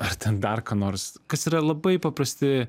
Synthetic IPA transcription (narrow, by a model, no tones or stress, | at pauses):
ɐrt̪ʲɛnd̪ɐrkɐːnoːɾskɐsiːɾɐlˠɐbɐɪpɐpɾɐsʲt̪ʲɪ